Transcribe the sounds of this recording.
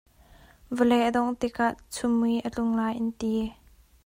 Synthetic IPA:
vəlɛʔəd̪ɔŋt̪ɪkʰaʔt͡sʰʊmːujʔət͡ɬʊŋlaːjʔɪnt̪i

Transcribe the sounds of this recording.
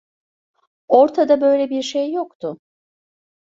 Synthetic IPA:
o̞ɾt̪ʰad̪abø̞jlʲɛbiɾʃejːo̞kt̪ʰʊ

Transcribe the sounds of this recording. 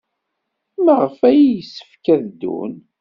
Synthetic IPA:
məʁəfæjjəsːə̥fkæðd̪ṵn

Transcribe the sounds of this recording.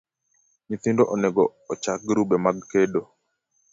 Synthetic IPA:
ɲiθindoʔɔnɛɡɔɔt͡ʃak̚ɾubɛmaɡkedo

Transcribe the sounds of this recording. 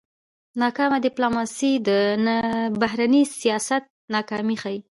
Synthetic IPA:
nɑkɑmad̪ɪplomɑsid̪ənbaɦɾanisijɑsat̪̚nɑkɑmixaji

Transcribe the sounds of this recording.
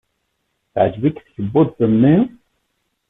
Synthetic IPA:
θʕd͡ʒvikθçəbːʊðθəmːi

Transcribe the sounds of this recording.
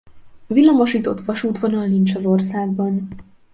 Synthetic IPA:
vilːɒmoʃiːt̪o̞t̪ʋɒʃuːt̪vo̞nɒlnint͡ʃɒzo̞rsaːɡ̚bɒn

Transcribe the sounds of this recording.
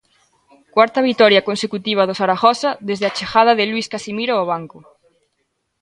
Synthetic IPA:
kwaɾt̪ɐβ̞it̪ɔɾjakonsekut̪iβ̞ɐðosaɾaxɔsɐðezðeat͡ʃexað̞ɐðɪlwuiskasimiɾoɔβ̞aŋkʊ

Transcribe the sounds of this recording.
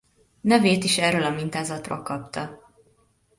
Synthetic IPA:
nɛveːt̪iʃɛrølɒmint̪aːzɒt̪ro̰lkɒpt̪ɒ

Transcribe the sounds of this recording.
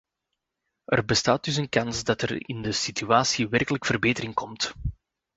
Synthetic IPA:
ʔərbəstaːt̚dʏs̬ənkɑnzdɑtərɪ̰ndəsityaːsiʋɛrkələkfərbeːtəɾɪŋkɔmt

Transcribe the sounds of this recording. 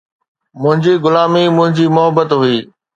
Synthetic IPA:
mʊ̃ɦɪ̃ɲd͡ʑiːɡʊlaːmimʊ̃ɦɪ̃ɲd͡ʑiːmʊɦəbət̪ɦʊiː

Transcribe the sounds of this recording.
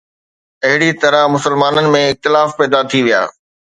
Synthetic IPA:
ɐɦɪɽit̪ɐɾəɦmʊsəlmaːnənɪ̆mẽɪk̚t̪ɪlaːfpɛːd̪at̪ʰiʋija̰ː

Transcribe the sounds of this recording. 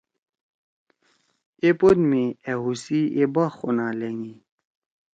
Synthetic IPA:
epod̪mieɦusiebaxonaleŋi

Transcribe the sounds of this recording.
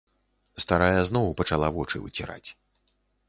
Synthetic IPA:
st̪aɾajɐznɔwpɐt͡ʂalˠavɔt͡ʂɨ̰vɨ̰t͡sʲiɾa̰t͡sʲ

